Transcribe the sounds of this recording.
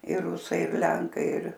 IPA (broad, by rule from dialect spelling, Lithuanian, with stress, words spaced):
ɪr ˈrʊsɐɪ ɪr ˈlʲɛŋkɐɪ ɪr